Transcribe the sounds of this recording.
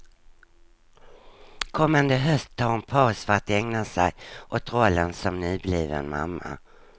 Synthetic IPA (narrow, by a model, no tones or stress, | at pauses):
kʰɔmːand̪əɦœst̪ʰɑːɛnpʰɑːsfœəɾat̪ɛŋnasɛjʔɔt̪ɾɔlːənsɔmnyːbliːvɛ̰nma̰mːa̰